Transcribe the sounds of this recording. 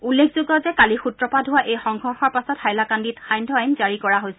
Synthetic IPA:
ulːekʰzoɡɔzɛkalixutɹɔpadɦʊwaʔejxɔŋɡʱɔɹxɔɹpasɔthajlakanditxajndʱɔajnzaɹikɔɹaɦojsɛ

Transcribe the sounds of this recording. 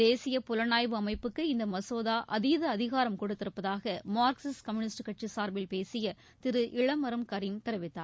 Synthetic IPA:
d̪eːsɪjɐpʊlɐnaːjʋɯɐmɐɪpːɯkːɯɪnd̪ɐmɐsoːðaːʔɐðɪjɐðɐːðɪɣaːɾɐmkɔɽɯt̪ːɪɾɯpːɐðaːɣɐmaːɾksɪskɐmjʊnɪsʈkːɐʈ̚t͡ʃisaːɾbɪlpeːsɪjɐ | t̪ɪɾɯʔɪɭɐmɐɾɐmkɐɾɪjmt̪ɪɾɐʋɪt̪ːa̰ːɾ

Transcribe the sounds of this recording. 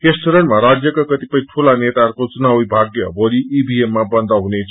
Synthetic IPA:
kesʈoɾʌɳʈmaɾad͡zjʌkakʌt̪ipʌjĩʈʰulanet̪arkot͡sunawibʱaɡjʌ̰bʌliibʱiemːabʌnd̪ʱʌɦunet͡sʰ

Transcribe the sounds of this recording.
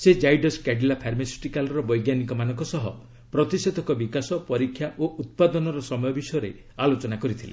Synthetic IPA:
sed͡ʒajɖoskɛɖilapʰaɾmesu̥ʈikalɾɔbɔjɡjanikɔmanɔ̃ŋkɔsɔɦɔ̰ | pɾɔt̪ised̪ʱɔkɔbikasɔpɔɾikʰːjaʔoʔut̪̚pad̪ɔnɔɾɔsɔmɔjɔbisɔjɔɾe | alot͡ʃɔnakɔɾit̪ʰile

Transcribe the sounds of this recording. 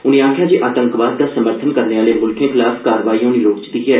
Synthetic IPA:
ʊnẽaːkʰjaːd͡ʒeːʔaːt̪ə̃ŋkʋaːd̪d̪aːsəməɾt̪ʰənkəɾneːʋaːlemʊlkẽːxʰɪlaːfʰkaːɾəʋaːiːõneːloːkt͡ʃt̪iɛː

